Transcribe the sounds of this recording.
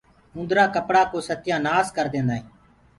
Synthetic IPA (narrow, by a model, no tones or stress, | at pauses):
ʊ̃nd̪ɾaːkəpɽaːkoːsət̪jãːnaːskəɾd̪ẽːnd̪aːĩː